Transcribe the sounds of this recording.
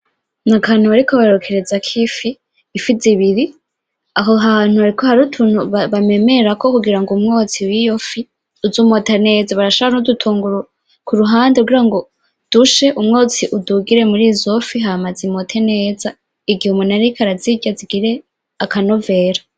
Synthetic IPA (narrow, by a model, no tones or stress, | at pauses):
nakan̥uβaɾikoβaɾokʰeɾezakʰifiː | fiziβiɾi | aɦoɦaːn̥uaɾikohaɾutʰuːn̥huβaβame̞me̞ɾako̞kuɡiɾaŋɡumŋo̞ːt͡siwijofi | uzuːmotane̞ːzaβaɾaʃoβanudutʰuːŋɡuɾo | kuɾuɦaːndeuɡiɾaŋɡo̞ | d̥uʃeʔumŋoːt͡siʔuduɡiɾe̞muɾiːzo̞fiɦamazimotʰene̞ːza | iɡihumunaɾikʰaɾaziɟaziɡiɾe̞ | akanove̞ːɾa